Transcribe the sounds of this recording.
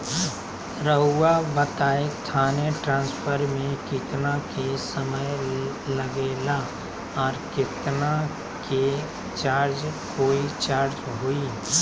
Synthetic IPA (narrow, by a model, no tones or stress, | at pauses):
ɾəɦuwabət̪aːet̪ʰaːneʈɾãːnspʰəɾmẽkɪt̪nakesəməj | ləɡeːla | ɔːɾkɪt̪na | ke | t͡ʃaːɾd͡ʒkoːit͡ʃaːɾd͡ʒɦoi